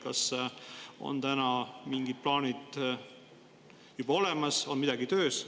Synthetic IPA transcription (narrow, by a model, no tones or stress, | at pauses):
kɑ̰s | o̞̰nt̪ænɑmiŋɡid̪̥̚plɑːnid̪̥ | jub̥ɑo̞lemɑso̞nmid̪̥ɑɡit̪ø̞ːs